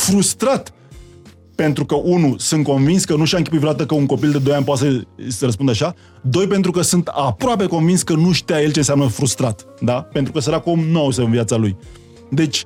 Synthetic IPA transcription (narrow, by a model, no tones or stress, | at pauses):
fɾust̪ɾat̪ | pe̞nt̪ɾukəʔunusunt̪̚ko̞nvinskənuʃiaɨŋkʲiput̪fɾat̪əkəuŋko̞pild̪e̞d̪ojanʲpoat̪səsɾəs̬pund̪aʃa | d̪o̞jpe̞nt̪ɾukəsɨnt̪apɾoape̞ko̞nvinskənuʃi̥t̪ejaje̞lt͡ʃens̬ʲeamnəfɾust̪ɾat̪d̪apent̪ɾukəs̬əɾakumnowsəɨnviat̪saluj | d̪e̞t͡ʃʲ